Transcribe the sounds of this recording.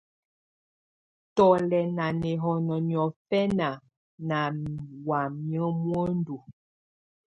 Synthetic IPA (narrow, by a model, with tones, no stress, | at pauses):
tɔ˨lɛ˨na˨nɛ˨ɦɔ˨nɔ˨n˨ɔ˨fɛ˦na˨ | na˨wa˨mjə˦mwɔ˦n˦du˨